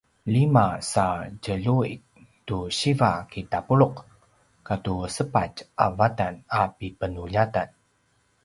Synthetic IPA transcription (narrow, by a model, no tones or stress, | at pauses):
limasacəʎuḭ | tuɕivakitapuɭuq | katusəpat͡ʃʔa̰vatanapipənuʎatan